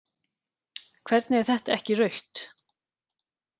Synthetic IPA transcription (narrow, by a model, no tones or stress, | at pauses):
kʰv̥ɛɾt̪nɛɾ̥θɛht̪aɛhcɪrœɥht̪